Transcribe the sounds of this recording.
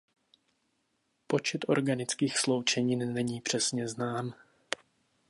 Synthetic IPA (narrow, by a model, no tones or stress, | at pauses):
po̞t͡ʃɛt̪ʔo̞̰ɾɡanɪt͡skiːxslo̞wt͡ʃɛɲiːnːɛɲiːpr̝̥ɛsɲɛznaːm